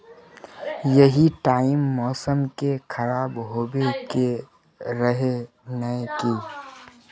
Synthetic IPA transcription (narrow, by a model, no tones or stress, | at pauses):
jɐɦiʈaːɪmːɔːsəmkekʰɐɾaːbɦoːbeke | ɾəɦe | nəkeː